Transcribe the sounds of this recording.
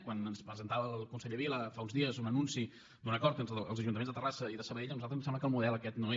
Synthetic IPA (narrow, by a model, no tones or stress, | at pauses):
kwanənspɾəzənt̪aβəlˠkunsɛʎəβiləfaunzðiəzunənunsi | d̪unəkɔɾt̪ent̪əəlˠzəʒunt̪əmenzðət̪ərasəiðəsəβəɾeʎənuzalt̪ɾəzmsɛmbləkəlˠmuðɛlˠəkɛt̪noe